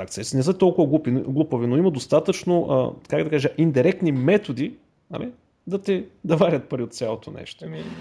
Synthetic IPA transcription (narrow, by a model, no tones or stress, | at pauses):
akt̪sɛsinɛsət̪ɔlˠkʊvəɡlˠupiɡlˠupovinoimɐd̪ost̪at̪ət͡ʃnoʔə̰kakd̪ɐkaʒəʔind̪iɾɛkt̪nimɛt̪od̪i | ɐ̰mɛ | d̪ɐt̪ɛd̪ɐvaɾʲət̪̚pɐɾiot̪t̪sʲalˠot̪onɛ̰ʃt̪o